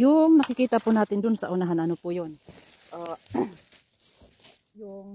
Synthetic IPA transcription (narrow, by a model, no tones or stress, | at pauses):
jʊŋnɐkɪkiːt̪apʊnaːt̪ɪnd̪ʊnsɐʔʊnaɦanʔɐnopʊjon | ʔo | jʊŋ